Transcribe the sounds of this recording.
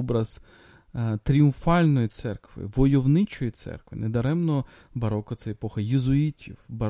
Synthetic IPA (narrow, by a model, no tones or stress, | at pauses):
bɾɐz | t̪ɾʲiʊmfɑlʲnɔjit̪sɛrkʋɪ̰ʋɔjɔwnɪt͡ʃɔjit̪sɛ̰rkʋɪ̰ned̪ɐɾɛmnɔ | bɐɾɔkɔt̪sɛepɔxɐjɪzʊitʲiwbɐ